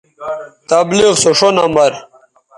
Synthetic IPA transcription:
t̪ɐbliʁsoʂonɐmɐɾ

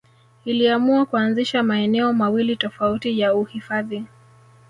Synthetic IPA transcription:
iliamuakuanziʃamaɛnɛɔmawilitɔfautijauhifaði

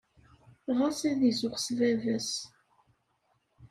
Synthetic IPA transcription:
ʁasæðizʊʁsvævəs

